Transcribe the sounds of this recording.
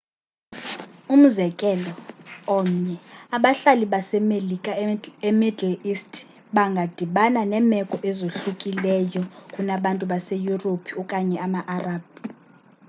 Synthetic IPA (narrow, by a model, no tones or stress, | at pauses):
um̩zɛkʼɛlɔɔm̩ɲɛaɓaɬaliɓasɛmelikʼaemidɛlistʰʼ | ɓaŋɡʱad̥ʱiɓananɛmɛkʼɔʔɛzoɬukʼilɛjɔkʼunaɓantʼuɓasejuropʰiukʼaɲɛamaʔaraːb̥̚i